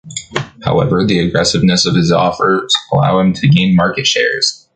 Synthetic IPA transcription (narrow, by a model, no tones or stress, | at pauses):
haʊɛvə˞ðiɨɡɹɛsɨvnɨsʌv̥ɨzɔ̰fə˞zəla̰ʊɨ̃mtʰɨɡẽɪ̃nmɑɹkɨtʃɛ̰ɹz̥